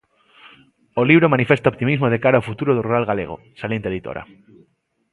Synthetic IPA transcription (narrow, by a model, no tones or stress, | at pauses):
oliβɾomãnifest̪aopt̪imizmoð̞ekaɾaowfut̪uɾoð̞oruɾalɣaleɣ̞o̰saljent̪eðit̪o̰ɾa̰